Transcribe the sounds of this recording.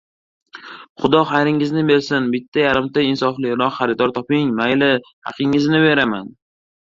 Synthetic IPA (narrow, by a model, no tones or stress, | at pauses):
χʊd̪ɒχajɾɪŋɪznɪbe̞ɾsɪnbɪt̪ʰːajaɾɪmt̪aɪnsɒflɪɾɒqχaɾɪd̪ɒɾt̪ʰɒpɪŋmajlɪ | hɑ̰qʰɪŋːɪznɪbe̞ɾama̰n